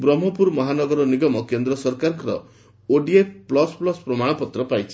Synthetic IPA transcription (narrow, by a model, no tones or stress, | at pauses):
bɾɔm̤ːɔpuɾmɔɦanɔɡɔɾɔniɡɔmɔkend̪ɾɔsɔɾkaɾkɔɾɔ̰ | oɖiepʰplɔsplɔspɾɔmaɽ̃ɔpɔt̪ɾɔpajt͡ʃʰi̥